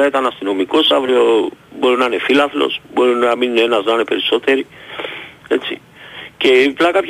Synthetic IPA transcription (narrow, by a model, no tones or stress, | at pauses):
ɐit̪ɐnɐst̪ino̞miko̞savɾio̞bo̞ɾinɐne̞filɐθlo̞̰sbo̞ɾinɐmine̞nɐznane̞pe̞ɾiso̞t̪e̞ɾi | e̞t͡sḭ | ce̞plɐkɐpç